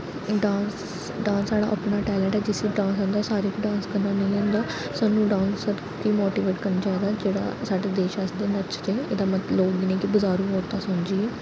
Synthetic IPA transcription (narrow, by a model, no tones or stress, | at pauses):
ɖãːns | ɖãːnsaːɽa̰ːʔə̰pnaːʈɛːlɛ̃ːɳʈɛːd͡ʒɪsiːɖãːnsãːnd̪aːsaːɾeːkiɖãːnskəɾnaːnəĩlɛ̃ːnd̪aː | saːnːũːɖãːnsəɾ | kiːmoːʈiːʋeːʈkəɾnːt͡ʃaːd̪aːd͡ʒeːɽa̰ːsaːɖed̪eːʃasd̪eːnətt͡ʃɾeːḛːd̪aːmət̪loːɡinẽːkibʊzaːɾũːɦoːɾt̪aːsʊnd͡ʒiːɛː